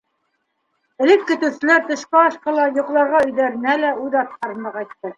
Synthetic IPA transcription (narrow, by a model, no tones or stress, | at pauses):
ɘ̆lɘkːɵ̆t̪ɘ̆wsɘ̆læɾt̪ɤ̆ʃkæɑʃqɑlˠɑjŏqlˠɑɾʁɑɵ̆jðæɾɘ̆nælæujðɑt̪̚ɑɾɤ̆nd̪ɤqɑjt̪ːɤ